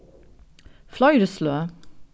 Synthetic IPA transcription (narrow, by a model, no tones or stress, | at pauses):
flɑɪɾəsløː